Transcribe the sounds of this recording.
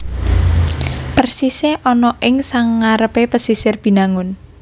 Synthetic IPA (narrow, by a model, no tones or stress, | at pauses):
pərsiseʔɔnɔʔɪŋsaŋːaɾəpepəsisɪrb̥i̤naŋʊn